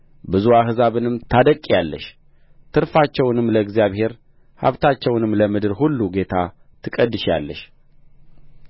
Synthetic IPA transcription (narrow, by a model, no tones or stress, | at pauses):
bɨzuaɦɨzaβɨnɨmt̪ʰad̪əkʼːijalːə̰ʃ | t̪ʰɨɾfat͡ʃːɛwnɨmːləɨɡzijaβhe̞ɾ | ha̰βt̪ʰat͡ʃːɛwnɨmləmɨd̪ɨɾhulːuɡe̞t̪ʰa | t̪ʰɨkʼəd̪ːɨʃja̰lːəʃ